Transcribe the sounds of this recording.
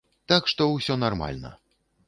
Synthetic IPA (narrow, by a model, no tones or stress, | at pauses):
t̪akʂt̪ɔwsʲɔnarma̰lʲnɐ̰